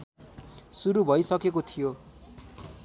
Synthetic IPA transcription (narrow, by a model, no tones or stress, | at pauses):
suɾubʱʌjsʌkekot̪ʰijo